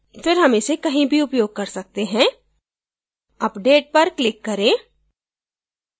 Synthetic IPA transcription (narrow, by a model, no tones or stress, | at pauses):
fɪɾɦɐmẽsekɐɦĩbʱiʊpjoːɡ̚kɐɾsɐk̚t̪eɦɛ̃ː | ɐpɖeːʈ̚pɐɾklɪkːɐɾẽː